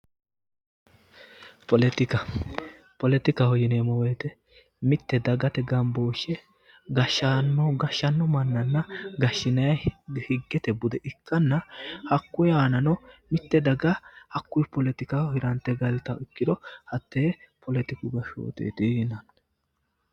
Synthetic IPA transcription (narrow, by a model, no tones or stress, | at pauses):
pɔlɛt̪ɪkɐ | pɔlɛt̪ɪkɐhɔjɪneːmɔwɛːt̪ɛ | mɪt̪ːɛd̪ɐɡɐt̪ɛɡɐmboːʃɛ | ɡɐʃːaːnːɔɡɐʃːɐnːɔmɐnːɐnːɐɡɐʃːɪnɐjɐhɪɡːɛt̪ɛbʊd̪ɛʔɪkʰːɐnːɐhɐkːʊjaːnɐnɔmɪt̪ːɛd̪ɐɡɐhɐkːʊjpɔlɛt̪ɪkɐɔhɪɾɐnt̪ːɛɡɐlɪt̪ɐɪkːɪd̪ɔhɐt̪ːeːpɔlɛt̪ɪkʊɡɐʃo̰ːt̪ḛːt̪iɪnɐn